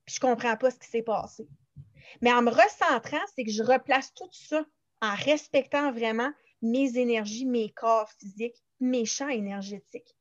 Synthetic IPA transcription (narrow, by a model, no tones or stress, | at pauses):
pi̥ʒə̥kɔ̃pχɑ̃pʌsə̥kʲi̥sɛpɑ̰ːse | mɛɑ̃məʁəsɑ̃ːt̪χɑ̃sɛkəʒəʁəplast̪ut̪sɔ | ɑ̃ʁɛspɛkt̪ɑ̃vʁɛmã | mezenɛʁʒimekʰɑːʁfizɪk | meʃãenɛʁʒett͡sɪk